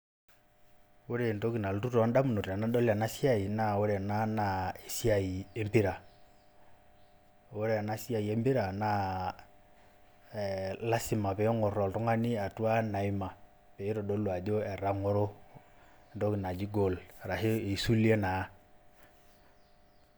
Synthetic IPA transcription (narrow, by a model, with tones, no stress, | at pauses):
wo˦ɾe˨n˨to˦ki˨na˨ltu˦tɔ˨˦nda˦mu˨no˨ta˨na˦dɔ˦la˨na˦si˦a˦˨i˨na˦˨wo˦ɾɛ˨na˦na˨e˨si˦a˨i˨e˦mpi˦ɾa˨ | wo˦ɾe˦a˨na˦si˦a˨i˨e˦mbi˦ɾa˨na˦˨ | la˦si˨ma˨pɛ˨ɔ˦ŋɔ˨ɾɔ˨ltɔ˦ŋa˦ni˦a˨tu˦a˦na˨i˦ma˨ | pe˨˦ɾo˨do˦lwa˨d͡ʒo˦ɛ˨ɾa˦ŋɔ˦ɾo˦˨ | ndo˦ki˨na˨d͡ʒi˦ɡo˨lɾa˨ɦe˦e˨su˦li˦e˦na˨˦